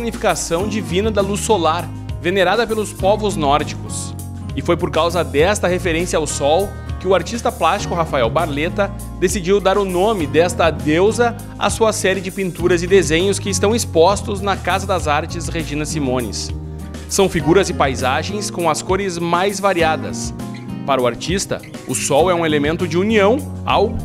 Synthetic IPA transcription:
iɡnifi̥kasɐ̃w̃d͡ʒivĩnɐd̪ɐlusolaɾ | veneɾad̪ɐpelʊspɔvʊznɔɾd͡ʒikʊs | ɪfojpoɾkawzɐd̪ɛst̪ɐhefeɾẽsiɐawsɔw | kɪʊaɾt͡ʃist̪ɐplast͡ʃi̥kʊɦafaɛwbaɾlet̪ɐ | d̪esid͡ʒiwd̪aɾʊnõmɪd̪ɛst̪ɐd̪ewzɐ | a̰suɐsɛɾɪd͡ʒɪpĩnt̪uɾɐzɪd̪ezẽɲʊskɪɪst̪ɐ̃w̃ispɔst̪ʊznɐkazɐd̪ɐzaɾt͡ʃɪsʁeʒĩnɐsimõnɪ̰sː | ɐ̃w̃fiɡuɾɐzɪpajzaʒẽj̃skõw̃ɐskoɾɪzmajzvaɾiad̪ɐ̰s | paɾɐʊaɾt͡ʃist̪ɐ̰ | ʊsɔwɛũelemẽnt̪ʊd͡ʒɪuniɐ̃w̃ | a̰w

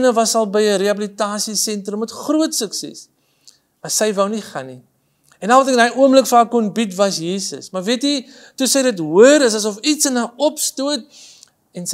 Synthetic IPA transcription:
nəvɐsɐlˠbəjəɾeɐbəlitɑːsisɛntrəmətχruətsəksɛ̰s | mɐsəjvəwniχɐni | ɛnɐlˠvɐtɛknɐjuəmbləkfaːkːɔnbitvɐsjiːsə̰smɐrviəti | tusəjdətɦuəɾəs̬ɐs̬ɔfitsənaɔpstuət̚ | ɛns

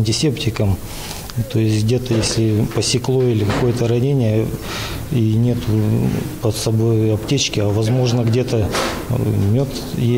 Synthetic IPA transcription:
nʲtʲɪsʲeptʲɪkəm | t̪o̞ɪsʲɡdʲe̞t̪əjesʲlʲɪpəsʲɪklˠoilʲɪkɐko̞jət̪əɾɐnʲenʲɪjə | inʲe̞t̪ʊpəsɐbo̞jɐptʲet͡ɕkʲɪavɐzmo̞ʐnəɡdʲe̞t̪ə | mʲot̪ | je

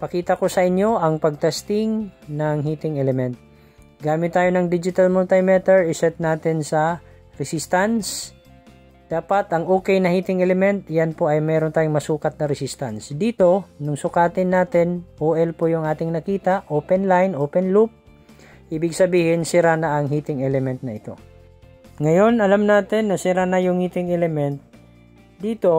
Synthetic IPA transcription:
pɐkiːt̪ɐko̞sɐʔɪnjo̞ʔɐŋpɐɡ̚t̪ɛst̪ɪŋnɐŋɦiːt̪ɪŋɛlɛmɛnt̪̚ | ɡaːmɪt̪ːaːjonɐŋd̪id͡ʒɪt̪ɐlmʊlt̪ɐmɛt̪ɛɹɪsɛt̪̚naːt̪ɪnsɐ | ɾɛsist̪ans | d̪̥aːpɐt̪ɐŋʔoːkɛjnɐhiːt̪ɪŋɛlɛmɛnt̪janpo̞ʔɐjmɛːɾont̪aːjʊŋmɐsuːkɐt̪̚nɐɾɛsist̪ɐnsd̪iːt̪o̞nʊŋsʊkaːt̪ɪnːaːt̪ɪnʔoːʔɛlpojʊŋʔaːt̪ɪŋnɐkiːt̪ɐʔʔoːpɛnlajnʔoːpɛnlup̚ | ʔiːbɪɡsɐbiːhɪnsɪɾanɐʔɐŋɦiːt̪ɪŋʔɛlɛmɛnt̪̚nɐɪt̪o̞̰ | ŋɐjo̞nɐlamnaːt̪ɪnːɐsɪɾanɐjʊŋhiːt̪ɪŋɛlɛmɛnt̪̚ | d̪iːt̪o̞

